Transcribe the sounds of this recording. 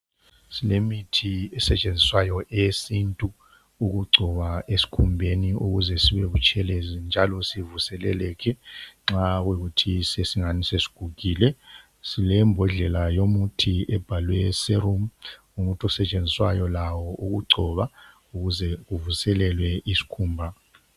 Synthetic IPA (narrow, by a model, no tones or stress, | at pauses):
silemitʰiɛsɛt͡ʃʼend͡zʱiswajɔesintʼu | uɣuɡ͡ǀʱɔβaesi̥kʰumbʱeniuɣuzɛsiβɛβut͡ʃʼʰɛlɛzind͡ʒʱalɔsivusɛlɛ̰lɛkʰɛŋ͡ǁaɣwiɣutʰisesiŋanisesi̥ɡ̥ʱuɣiːlɛ | silɛmbʱɔɮɛlajomutʰiɛb̥ʱalwɛsɛɾum | umutʰɔsɛt͡ʃʼend͡zʱiswa̰jɔlawɔʔuɣuɡ͡ǀʱɔβa | uɣuzɛɣuvusɛlɛlwɛisi̥kʰuːmbʱa